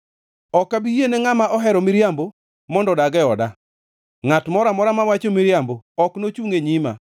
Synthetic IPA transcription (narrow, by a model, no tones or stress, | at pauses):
ɔkːabijeneŋamaʔɔɦɛɾɔmiɾjambo | mɔndɔdaɡɛɔda | ŋatmɔɾamɔɾamawat͡ʃomiɾjamboɔknot͡ʃuŋeɲima̰